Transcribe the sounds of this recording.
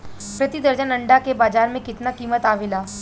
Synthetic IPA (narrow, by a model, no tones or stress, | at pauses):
pɾɐt̪id̪əɾd͡ʒənɐ̃ɳɖakebaːd͡ʒaːɾmẽkɪt̪nakiːmət̪aːʋɪlaː